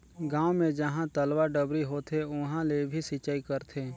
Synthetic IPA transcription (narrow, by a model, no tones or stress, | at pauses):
ɡãːwmẽd͡ʒəɦãt̪əlwaɾɖəbɾiɦoːt̪ʰeʊɦãlebʱisit͡ʃaːikəɾt̪ʰeː